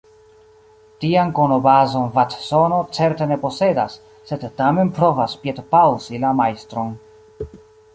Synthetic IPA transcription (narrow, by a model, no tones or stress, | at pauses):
tiankono̞bazo̞nvat̪so̞no̞t͡se̞ɾte̞ne̞po̞se̞dasː | e̞dːame̞npɾo̞vaspietpawzilamajst̪ɾo̞n